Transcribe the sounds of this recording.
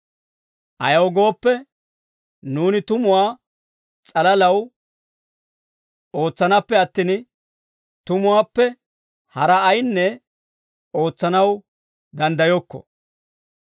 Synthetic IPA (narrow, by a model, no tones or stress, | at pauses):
ʔɐ̰jɐwɡo̞ːpːɛ | nuːnɪt̪ʊmʊwaː | t͡sʼɐlɐlɐw | o̞ːt͡sːɐnɐpːɛɐt̪ːiːn | t̪ʊmʊwaːpːɛ | hɐɾɐːjnːɛ | o̞ːt͡sːɐnɐw | d̪ɐnd̪ɐjɔkːɔ̰